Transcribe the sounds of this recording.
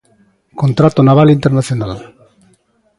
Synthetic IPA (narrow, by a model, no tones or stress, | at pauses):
kont̪ɾat̪onaβ̞alint̪eɾnaθjonal